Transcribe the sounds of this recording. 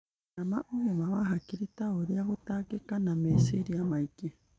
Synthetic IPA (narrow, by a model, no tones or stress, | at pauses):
namaʔuβemaβaɦakiɾit̪aoɾiaɣot̪akekanamesiɾiamajke